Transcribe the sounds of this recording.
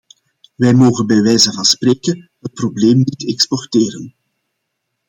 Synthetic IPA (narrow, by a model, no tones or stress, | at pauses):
ʋɛjmoːɣənbɛjʋɛjzənvɑnspreːkəɦət̚probleːmnitɛkspɔrteːɾən